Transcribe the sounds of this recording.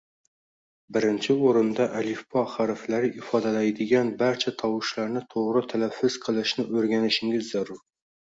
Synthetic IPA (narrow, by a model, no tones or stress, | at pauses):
bɪɾɪnt͡ʃʰɪoɾɨnd̪ɑʔælifpʰɑχɑɾɪflæɾɪʔɪfɑd̪ɛlæjd̪ɪɡʲɛnbæɾt͡ʃʰɛt̪ʰɑwɨʃlæɾnɪt̪ʰoʁɾɨt̪ʰælæfːʊz̥qʰəlˠɨʃnɪʔɵɾɡʲænɪʃɪŋɡʲɪzːæɾuɾ